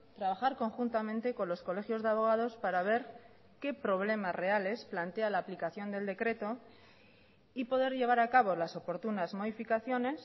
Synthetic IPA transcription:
t̪ɾaβ̞axaɾko̞ŋxunt̪amẽ̞nt̪e̞ko̞nlo̞sko̞le̞xjo̞zðeaβo̞ɣ̞aðo̞spaɾaβ̞e̞ɾ | ke̞pɾo̞β̞le̞masre̞ale̞splant̪e̞alaːplikaθjo̞nd̪e̞ld̪e̞kɾe̞t̪o̞ | ipo̞ðe̞ɾʎe̞β̞aɾakaβo̞laso̞po̞ɾt̪unazmo̞ðifikaθjo̞ne̞s

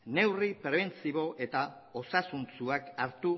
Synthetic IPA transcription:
ne̞wripɾe̞βe̞nt͡siβo̞ʔe̞t̪a | o̞sasunt͡suakaɾt̪u

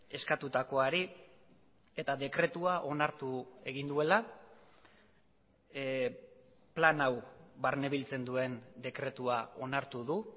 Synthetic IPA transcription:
e̞skat̪ut̪ako̞aɾi | e̞t̪aðe̞kɾe̞t̪uaʔo̞naɾt̪ue̞ɣind̪ue̞la | planawβaɾneβ̞ilt͡se̞nd̪ue̞nd̪e̞kɾe̞t̪uao̞naɾt̪uðu

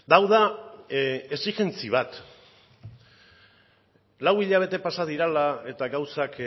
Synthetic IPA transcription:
d̪awða | e̞siʝe̞nt͡siβ̞at̪ | lawiʎaβ̞e̞t̪e̞pasaðiɾalae̞t̪aɣawsak

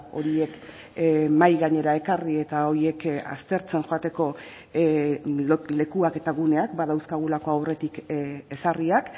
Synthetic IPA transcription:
o̞ɾie̞k | majɣaɲe̞ɾae̞karie̞t̪ao̞ɾie̞ka̰st̪e̞ɾt͡se̞nxo̞at̪e̞ko̞ | le̞kuake̞t̪aɣune̞akbað̞awskaɣ̞ulako̞awre̞t̪ike̞sariak

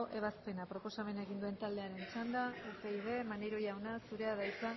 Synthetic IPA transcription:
oʔe̞β̞aspe̞napɾo̞po̞same̞nae̞ɣind̪ue̞nt̪ald̪e̞aɾe̞nt͡ʃand̪aueiβe̞manejɾo̞jawnasuɾe̞aðajt͡sa

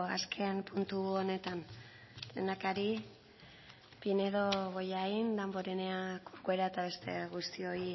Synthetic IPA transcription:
a̰skʰe̞mpunt̪uo̞ne̞t̪an | t̪enakaɾi | pine̞ðoɣo̞jaind̪ambo̞ɾeneakokweɾaet̪aβe̞st̪e̞̰ɣust̪io̞i

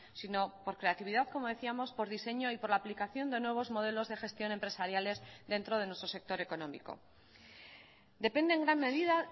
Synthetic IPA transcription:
sino̞po̞ɾkɾe̞at̪iβ̞iðaðko̞moðe̞θiamo̞spo̞ɾðise̞ɲo̞ipo̞ɾlaːplikaθjo̞nd̪e̞nwe̞β̞o̞zmo̞ðe̞lo̞zðe̞xe̞st̪jo̞ne̞mpɾe̞saɾjale̞zðe̞nt̪ɾo̞ð̞e̞nwe̞st̪ɾose̞k̚t̪o̞ɾe̞ko̞no̞mḭko̞̰ | d̪e̞pe̞nd̪eŋɡɾanme̞ðiða

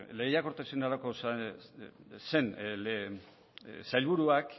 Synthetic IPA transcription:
lejakoɾt̪esenaɾako̞s | se̞n | sajlβuɾuak

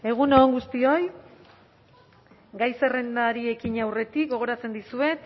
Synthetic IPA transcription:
e̞ɣ̞unoːŋɡust̪io̞j | ɡajsere̞nd̪aɾie̞kiɲawre̞t̪ik̚ɡo̞ɣ̞o̞ɾat͡se̞nd̪isue̞t̪

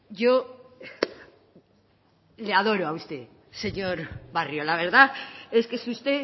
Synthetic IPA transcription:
ʝo | leað̞o̞ɾoaust̪e̞ | se̞ɲo̞ɾβarjolaβ̞e̞ɾðaeskesust̪e̞

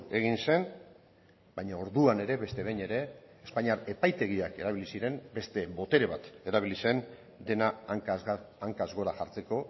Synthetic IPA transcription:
e̞ɣinse̞n | bajɲao̞ɾðuane̞ɾe̞βe̞st̪e̞βe̞ɲe̞ɾe̞ː | spaɲiaɾe̞pajt̪e̞ɣ̞iake̞ɾaβilisiɾe̞mbe̞st̪e̞bo̞t̪e̞ɾe̞β̞at̪e̞ɾaβ̞ilise̞n | d̪e̞na | aŋkazɣo̞ɾaʝaɾt͡se̞ko̞

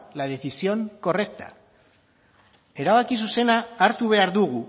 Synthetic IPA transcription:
lað̞e̞θisio̞ŋko̞re̞k̚t̪ḁ̰ | e̞ɾaβakisuse̞naːɾt̪uβ̞e̞aɾðuɣ̞u

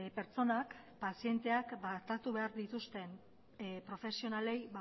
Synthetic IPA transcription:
pe̞ɾt͡so̞nak | pasie̞nt̪e̞akbat̪at̪uβe̞aɾðit̪ust̪e̞n | pɾo̞fe̞sionale̞jβa

